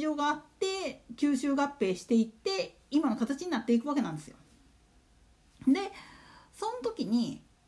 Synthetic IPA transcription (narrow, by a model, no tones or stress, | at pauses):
ʑo̞ːɡaːt̪ːe̞kʲɨːɕɨːɡapːe̞ːɕi̥t̪e̞it̪ːe̞ | imano̞kat̪at͡ɕiɲ̟inat̪ːe̞ikɯβake̞nãnd̪e̞sɨjo̞̰ | d̪e̞sõ̞not̪o̞kʲiɲ̟i